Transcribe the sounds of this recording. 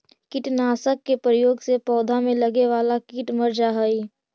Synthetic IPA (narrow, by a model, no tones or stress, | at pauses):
kɪʈnaːsəkːepɾəjoːɡsepɔːd̪ʱamẽlɐɡeʋaːlakɪʈməɾd͡ʒaɦəi